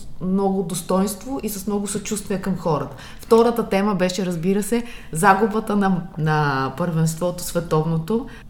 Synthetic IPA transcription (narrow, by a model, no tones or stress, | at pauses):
mnɔɡʊd̪ost̪ɔjnst̪voʔisɐsmnɔɡʊsɐt͡ʃust̪viɛkɐmxɔɾət̪ə̥ | ft̪ɔɾət̪ət̪ɛməbɛʃɛɾɐzbiɾəsɛzaɡʊbət̪ənɐnɐpəɾvɛnst̪vɔt̪o̥svɛt̪ɔvnot̪o